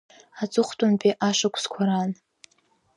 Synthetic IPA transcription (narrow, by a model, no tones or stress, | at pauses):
at͡sʼʊχʷtʷʼʊnpʼiʔaʂakʷʰskʷʰaɾan